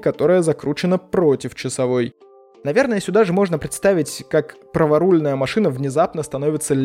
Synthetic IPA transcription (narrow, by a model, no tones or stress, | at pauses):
kɐt̪o̞ɾəjəzɐkɾut͡ɕɪnəpɾo̞tʲɪft͡ɕɪsɐvo̞j | nɐvʲernəjəsʲʊd̪aʐɨmo̞ʐnəpɾʲɪt̪st̪avʲɪtʲkakpɾəvɐɾulʲnəjəmɐʂɨnəvnʲɪzapnəst̪ɐno̞vʲɪt̪səlʲ